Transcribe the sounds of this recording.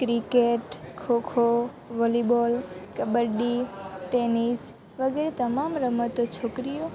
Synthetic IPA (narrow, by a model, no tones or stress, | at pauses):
kɾikeʈkʰokʰo | ʋolibolkəbəɾɖiʈenis | ʋəɡeɾet̪əmamɾəmət̪ːot͡ʃʰoːkɾijo